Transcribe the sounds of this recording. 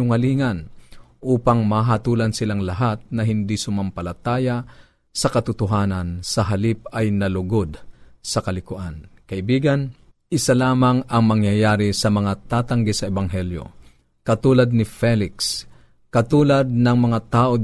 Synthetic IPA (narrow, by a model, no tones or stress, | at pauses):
ʊŋɐliːŋɐn | ʔuːpaŋmaɦat̪uːlɐnsɪlaŋlɐɦat̪̚nɐɦɪnd̪isʊmampɐlɐt̪aːja | sɐkɐt̪ʊt̪ʊɦaːnɐnsɐɦɐlip̚ɐjnɐlʊɡod̪sɐkɐlɪkʊʔankɐʔɪbiːɡɐn | ʔɪsalaːmɐŋɐŋmɐŋjajaːɾisɐmɐŋat̪aːt̪ɐŋɡɛsɐʔɛbaŋɦɛljo̰ | kɐt̪uːlɐd̪̚nɪfɛlɪks | kɐt̪uːlɐd̪̚nɐŋmɐŋat̪aːʔo